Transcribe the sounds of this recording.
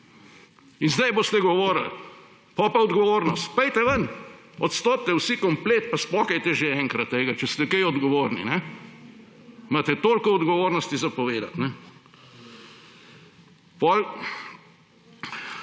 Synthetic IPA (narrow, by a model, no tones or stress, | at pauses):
inzd̪ɛjboːst̪ɛɡɔʋoːɾa̰l | pɔpaɔd̪ɡɔʋoːɾnɔst̪pɛjt̪ɛʋən | ɔt̪st̪oːp̚t̪ɛwsikɔmpleːt̪paspɔːkɛjt̪ɛʒeɛŋkɾɐt̪ːeːɡat͡ʃɛst̪ɛkejɔd̪ɡɔʋoːɾnḭnɛ | maːt̪ɛt̪oːlkɔɔd̪ɡɔʋoːɾnɔst̪izapɔʋeːd̪a̰t̪nɛ | pɔl